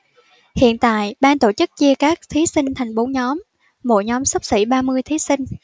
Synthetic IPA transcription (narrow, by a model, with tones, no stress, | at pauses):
hḭ˧˨ənt̪a̰ː˧˨jɓaː˧nt̪o˧˩t͡ɕɨ˦˥k̚t͡ɕi˧əkaː˦˥k̚t̪ʰi˨˦sï˧ŋ̟t̪ʰɛ˨˩jŋ̟fo˨˦ɲɔ˨˦m | mo̰˧˩ɲɔ˨˦msə˦˥k͡p̚sḭ˧˩ɓaː˧mɨ˧əjt̪ʰi˨˦si˧ŋ̟